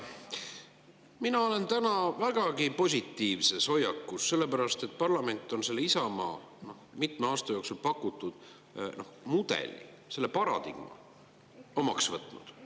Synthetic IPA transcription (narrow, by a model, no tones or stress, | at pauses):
minɑo̞le̞nt̪ænɑvæɡ̥ɑɡipo̞s̬ʲit̪ːˑiːvse̞so̞jɑkːusːe̞lːe̞pæɾɑst̪et̪̚ːˑpɑrlɑme̞nʲt̪ːˑo̞nse̞lːeisɑmɑ̰ː | no̞hmit̪meɑːst̪ɑjo̞ːksulpɑkːˑut̪ːˑud̪̥ | no̞hmud̪̥e̞̰lʲḭ | se̞lːepɑɾɑ̰d̪̥ḭɡ̥mɑ̰ | o̞mɑksvɤt̪ːˑnṵd̪̥